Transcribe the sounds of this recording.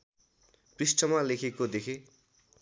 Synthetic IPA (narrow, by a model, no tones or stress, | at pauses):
prisʈʌmalekʰekod̪ekʰe